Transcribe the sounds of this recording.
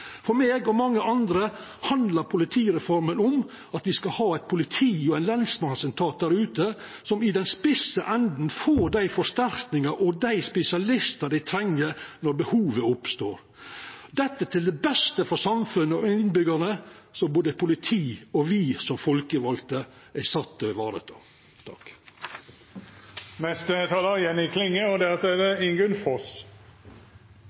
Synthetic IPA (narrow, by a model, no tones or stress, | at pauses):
fɔɾmeːɡɔmɑŋːəʔɑnd̪ɾə | hɑnd̪ləɾpʰʊlɪt̪ʰiːɾɛfɔɾmənɔm | ɑt̪ʋɪskɑhɑːæɪt̪̚pʰʊlɪt̪ʰiːɔæɪnlɛnsmɑnsɛnt̪ʰɑːt̪̚d̪æɾʉːt̪ə | sɔmɪd̪ɛnspɪsəʔɛnd̪n̩foːɖæɪfɔʂt̪æɾk̪nɪŋɑʔɔd̪æɪspɛsɪɑlɪst̪əd̪æɪt̪ʰɾɛŋːəɾnɔɾbəhuːʋəʊpst̪o̰ːɾ | d̪ɛt̪ːət̪ʰɪld̪ɛbɛst̪əfɔɾsɑmfʉnːəɔɪnbʏɡəɳə | sɔboːd̪əpʰʊlɪt̪ʰiːɔʋiːsɔmfɔlkəʋɑlt̪ə | æɪsɑt̪ːəʋɑːɾə̰t̪ʰo̰ː | t̪ʰɑk | nɛst̪ət̪ʰɑːləɾjɛnɪkʰlɪŋːəɔd̪ɛɑt̪ːɛdɛɪŋɡʉnfɔs